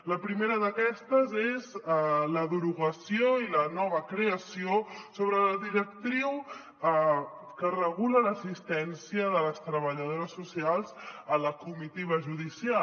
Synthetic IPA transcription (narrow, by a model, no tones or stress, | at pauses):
ləpɾimeɾəðəkɛst̪əzezləðuɾuɣəsioilənɔβ̞əkɾeəsiosoβ̞ɾələðiɾəkt̪ɾiw | kərəɣulələsist̪ɛnsiəðələst̪ɾəβəʎəð̞oɾəsːusialˠzələkumit̪iβ̞əʒuðisia